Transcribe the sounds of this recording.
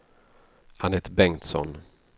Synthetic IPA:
ʔanɛt̪bɛŋt̪sɔ̰n

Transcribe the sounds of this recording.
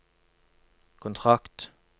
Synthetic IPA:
kʰʊnt̪ʰʁɑkt̪

